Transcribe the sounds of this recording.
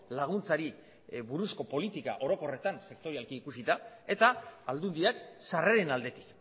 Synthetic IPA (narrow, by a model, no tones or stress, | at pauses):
laɣ̞unt͡saɾi | βuɾusko̞po̞lit̪ika̰ʔo̞ɾo̞ko̞re̞t̪anse̞kt̪o̞ɾialkiːkusit̪ae̞t̪aːld̪und̪iaksareɾenald̪e̞t̪i̥k